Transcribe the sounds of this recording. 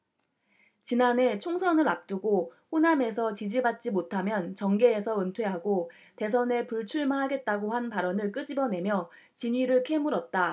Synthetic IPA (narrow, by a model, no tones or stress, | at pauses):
t͡ɕinanɦe̞t͡ɕʰoŋsʰʌnɯɾap̚t͈uɡoɸoname̞sʰʌt͡ɕid͡ʑibat̚t͡ɕ͈imotʰamjʌnt͡ɕʌŋɡe̞ːsʰʌɯntʰwe̞ɦaɡo | te̞s̬ʰʌne̞puɭt͡ɕʰuɭmaɦaɡe̞t̚t͈aɡohanpaɾʌnɯɭk͈ɯd͡ʑibʌne̞mjʌ | t͡ɕiɲɥiɾɯɭkʰe̞muɾʌt̚t͈a